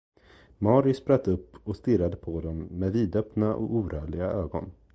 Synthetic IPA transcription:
mɑɾɪspɾat̪ːɵpːɔst̪ɪɾad̪əpʰɔd̪ɔmːeːd̪viːd̪œpnaʔɔ̰kuːɾœːɭɪɡaøːɡɔ̰n

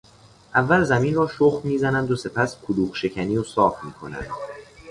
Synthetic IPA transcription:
ʔævːælzæmiːnrɒːʃoxmiːzænænd̪ose̞pʰæskʰoluːχʃe̞cʰæniːosɒːfmiːkʰo̞̰næ̰nd̪̥

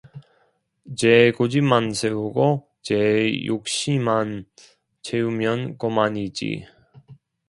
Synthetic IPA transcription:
t͡ɕeɡod͡ʑimansʰeuɡo | t͡ɕejok̚ɕ͈iman | t͡ɕʰeumjʌnkomanid͡ʑḭ

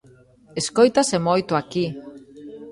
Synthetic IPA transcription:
eskojt̪asemojt̪oaki

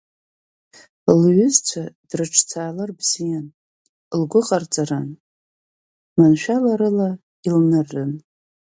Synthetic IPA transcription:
lɥʏzt͡ɕʷʰad̥rɨʈ͡ʂʰt͡sʰaːlarbz̥ijan | lɡʷʊχʼart͡sʼaran | manʃᶣalaɾɨla | ilnarːɨn

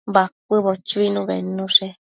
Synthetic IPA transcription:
bak̚ʷɨβot͡ʃuinũβḛnũʂe

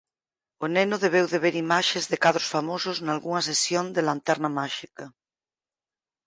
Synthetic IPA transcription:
onenoðeβ̞ewðeβ̞eɾimaʃezðekaðɾosfamosoznalɣuŋasesjond̪elant̪ɛɾnamaʃikɐ

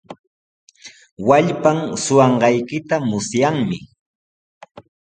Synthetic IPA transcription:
waʎpaŋsʊwɑɴɢɑjkɪt̪amʊsjaŋmɪ

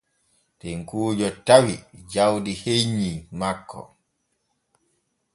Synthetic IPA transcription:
tɛŋkuːd͡ʒɔtawid͡ʒawdiheɲːimakʰːɔ̰

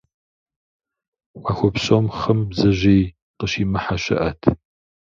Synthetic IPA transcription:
waxʷɔpɕʼomχɐmbzɐʑej | qəɕiːmɨħaɕɐ̰ʔɐtʰ

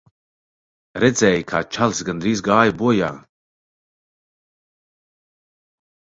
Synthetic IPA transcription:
ɾɛd̪zʲɛːjkʰa̰ːt͡ʃalˠsɡand̪ɾiːzɡaːjabuɔja̰ː

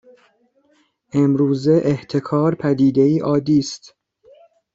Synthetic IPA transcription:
ʔe̞mɾuːze̞ʔeht̪ʰe̞kʰɒːɾpʰæd̪iːd̪e̞iːʔɒːd̪iːst̪

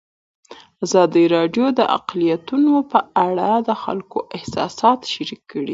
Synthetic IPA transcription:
azɑd̪iɾɑɖjod̪əʔa̰qlijat̪unopəaɽad̪əxa̰lkoʔɪhsɑ̰sɑt̪ʃaɾikːəɽi

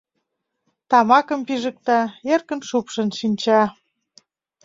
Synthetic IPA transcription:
t̪ɑmɑkə̆mpiʒə̆k̚t̪ɑerkə̆nʃupʃə̆nʃinʲt͡ɕɑ

